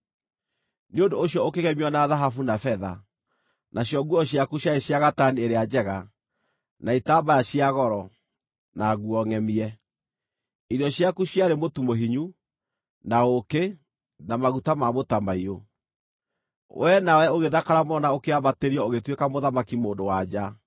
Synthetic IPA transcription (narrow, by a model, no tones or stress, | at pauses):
neondoːɕjɔokeɣɛmiɔnaðaɦafunafɛða | nʔaɕjɔɡuɔɕjakuɕjaeɕjaɣatanieɾead͡ʒɛɣa | naitaːbajaɕiaɣɔɾɔ | naɣuɔŋɛmiɛ | iɾɔɕjakuɕjaɾemotumoɦiɲu | naoke | namaɣutamamotamaio | wʔɛnawɛoɣeðakaɾamɔnaokeabateɾiɔoɣetwekamoðamakimoːndowad͡ʒa